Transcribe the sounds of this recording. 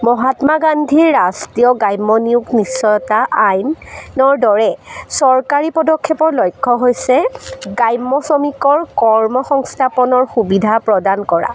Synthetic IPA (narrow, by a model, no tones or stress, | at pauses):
mɔɦatmaɡandʱiɹːastijɔɡajmːɔniuɡnisːɔjɔtaʔajnːɔɹdɔɹɛsɔɹkaɹipɔdɔkʰːɛpɔɹlɔjkʰːɔɦojsɛɡajmːɔsɔmikɔɹkɔɹmɔxɔŋstʰapɔnɔɹxubidʱapɹɔdankɔɹa̰